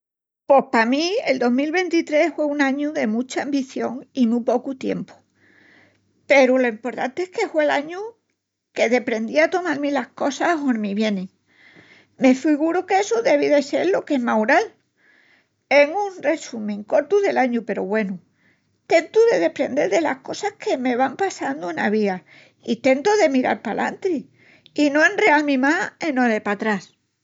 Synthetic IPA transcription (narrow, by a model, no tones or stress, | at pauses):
po̞hpamield̪o̞ɦmilβẽ̞nt̪it̪ɾe̞hfwe̞unãɲuðe̞mut͡ʃaːmbiθjo̞ŋimupo̞kut̪je̞̰mpu̥ | pe̞ɾulo̞impo̞ɾt̪a̰nt̪eehske̞fwe̞laɲu | ke̞ðe̞pɾe̞nd̪iat̪o̞malmilahko̞saɦonmiβje̞nẽ | me̞fiɣuɾuke̞suðe̞βiðe̞se̞̰ɾlo̞ke̞ɦmawɾal | e̞ŋũnre̞sumẽŋko̞ɾt̪uðe̞laɲupe̞ɾo̞βwe̞nu | t̪e̞nt̪uðe̞ðe̞pɾe̞nd̪e̞ɾðe̞lahko̞sahke̞me̞β̞ampasand̪uenaβ̞ia | it̪e̞nt̪oðe̞miɾa̰lpalʔa̰nt̪ɾi | ino̞e̞nre̞almĩmaenoðepat̪ɾas